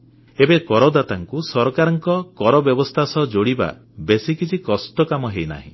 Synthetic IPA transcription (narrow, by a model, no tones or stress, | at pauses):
ebekɔɾɔd̪at̪aŋkusɔɾɔkaɾɔŋkɔkɔɾɔbjɔbɔst̪ʰasɔd͡ʒoɽiba̰ | besikit͡ʃʰikɔst̪ɔkamɔɦejna̰ɦḭ̃